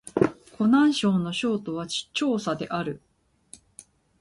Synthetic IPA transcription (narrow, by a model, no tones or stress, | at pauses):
kʰo̞nãɰ̃ɕo̞ːnːo̞ɕo̞ːt̪o̞βat͡ɕi̥t͡ɕːo̞ːsad̪e̞ʔaɾɯ̟